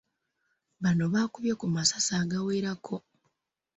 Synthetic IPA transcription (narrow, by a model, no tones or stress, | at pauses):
βanoβaːkuβjokumasḁsaːɡaweːɾakʰo̞